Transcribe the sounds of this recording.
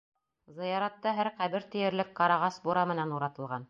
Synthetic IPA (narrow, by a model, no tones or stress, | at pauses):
zɤ̆jɑɾɑt̪ːɑɦæɾqæβɘɾt̪ɘ̆jɘ̆ɾlɘkqɑɾɑʁɑsbuɾɑmɘ̆nænuɾɑt̪ɤ̆lˠʁɑn